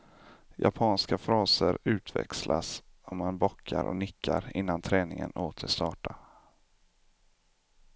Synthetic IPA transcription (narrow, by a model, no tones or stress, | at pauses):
japʰɑːnskafɾɑːsəɾʉ̟ːt̪ʰvɛ̰kslʔasɔmːanbɔkʰːaɾʔɔ̰nɪkʰːaɾɪnːant̪ʰɾɛːnɪŋənoːt̪ʰəʂt̪ɑːʈa